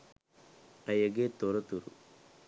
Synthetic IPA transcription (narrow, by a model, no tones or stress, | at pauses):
ɐjɐɡet̪oɾɐt̪uɾṵ